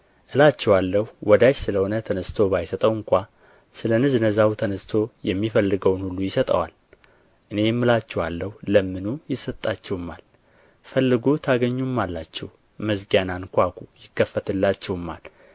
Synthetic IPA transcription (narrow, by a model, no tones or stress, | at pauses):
ʔɨlat͡ʃːɛwalːəhuwɔd̪aʃsɨləho̞nət̪ʰənəst̪ʰo̞bajsət̪ʼəwɨŋkʷa | sɨlənɨznəzawt̪ʰənəst̪ʰo̞jɛmːifəlːɨɡəwnhulːujɪsət̪ʼə̰wa̰l | ʔɨne̞jmːɨlat͡ʃːɛwalːəhuləmːɨnujɪsət̪ʼːat͡ʃːɛwɨmːa̰l | fəlːɨɡut̪ʰaɡəɲːumːalːat͡ʃːɛw | məsɡjanankʷakujɪkːəfːət̪ʰɨlːat͡ʃːɛwɨmːa̰l